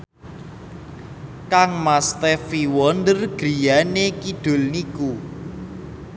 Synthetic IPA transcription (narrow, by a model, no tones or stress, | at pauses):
kaŋmast̪ɛfiwɔnd̪ərɡ̥ɾi̤janekiɖ̪̥o̤lniku